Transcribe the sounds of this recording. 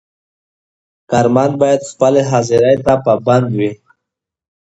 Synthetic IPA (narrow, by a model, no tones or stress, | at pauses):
kaɾmɑnbɑjad̪xpəleɦɑziɾajt̪apəband̪wi